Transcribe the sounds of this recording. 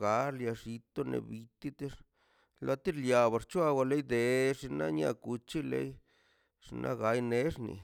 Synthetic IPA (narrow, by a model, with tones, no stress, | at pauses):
ɡa˨˦ɾlja˧ʂi˧t̪o˦nḛ˨bi˧t̪i˦t̪i˦ʂ | la˧t̪i˦ɾlja˨βa˨ɾt͡ʃwa˦wa˧le˦jd̪e˨ʂi˧na˦ɲa̰˧ku˧t͡ʃi˦lḛ˦j | ʂi˧nʔa̰˦ɡa˨˧jne˦ʂnḭ˨